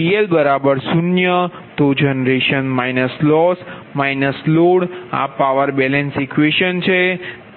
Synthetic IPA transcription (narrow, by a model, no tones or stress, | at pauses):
ielbəɾabəɾsunjə | t̪od͡ʒənɾeʃənmajnəslɔs | majnəsloɽa̰paʋəɾbɛlɛnsikʋeʃənt͡ʃʰe